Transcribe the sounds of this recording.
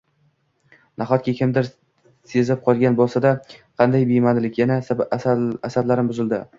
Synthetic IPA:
naχɒt̪̚kʲakʲʰɪmd̪ɪɾ | se̞zɪp̚qʰɒlˠɡʲanbolˠsad̪aqʰɑnd̪ajbejmanlɪkʲjana | asad̪laɾɪmbʊzɪld̪ɪ

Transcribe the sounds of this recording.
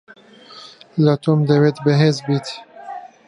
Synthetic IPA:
lɐt̪ʰomd̪əwet̪bəɦeːzbiːt̪

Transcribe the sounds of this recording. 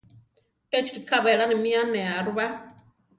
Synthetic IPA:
et͡ʃi̥ɾikʰaβɛɺanimianɛaɾuβa

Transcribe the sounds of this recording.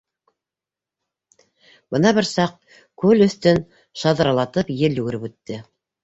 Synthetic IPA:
b̥ɤnɑbɘɾsɑq̚ | kʉlɵ̆θt̪ɵn | ʃɑðɾɑlˠɑt̪ɤpjɘlj̪ʉɡɘ̆ɾɘpʉt̪ːɘ

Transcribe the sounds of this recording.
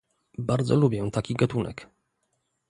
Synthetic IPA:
baɾd̪zɔlubʲjɛt̪akʲiɡat̪unɛ̰k

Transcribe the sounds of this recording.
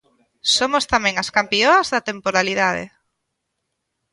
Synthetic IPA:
somost̪amɛ̃ŋaskampioɐzðɐt̪empoɾaliðað̞ḛ

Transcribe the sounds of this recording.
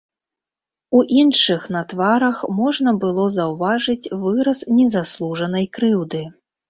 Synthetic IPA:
uʔinʂɨxnɐt̪vaɾɐxmɔʐnɐbɨlˠɔzɐwvaʐɨt͡sʲvɨɾɐsnʲɛzaslˠuʐɐnɐjkɾɨwd̪ɨ

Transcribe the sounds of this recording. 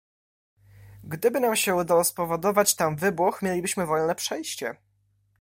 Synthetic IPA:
ɡd̪ɘbɘnamɕɛud̪awɔspɔvɔd̪ɔvat͡ɕt̪amvɘbwuxmʲjelʲibɘɕmɘvɔlnɛpʂɛjɕt͡ɕɛ̰

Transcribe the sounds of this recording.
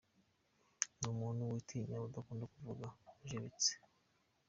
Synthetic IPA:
numuːnhuwitʰiɲaudakuːndakuvuɡaʒeβit͡se̥

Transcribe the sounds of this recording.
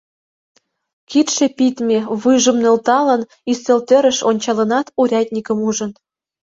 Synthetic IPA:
kit̪ʃĕpit̪mʲeβɨʒə̆mnø̆lt̪ɑlə̆n | iselt̪ɘ̆ɾə̆ʃonʲt͡ɕɑlɤ̆nɑt̪uɾʲɑt̪ʲnʲikə̆muʒə̆n

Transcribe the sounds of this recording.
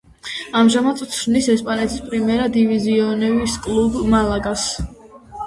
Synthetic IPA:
amʒamat̪sʼt̪sʰɾnisɛspʼanɛt̪ʰi̥spʼɾimɛɾad̪iviziɔnɛviskʼlˠubmalˠaɡas

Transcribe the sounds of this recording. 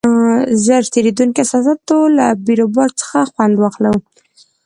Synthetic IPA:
zəɾt̪eɾed̪unkeasasat̪olabiɾobɑɾt͡sə̥xaxwand̪wɑxlawu

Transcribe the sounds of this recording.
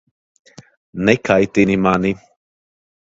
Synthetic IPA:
nekʰait̪inimani

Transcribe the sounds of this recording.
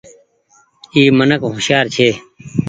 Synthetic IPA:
iːmənəkɦʊʃjaːɾt͡ʃʰeː

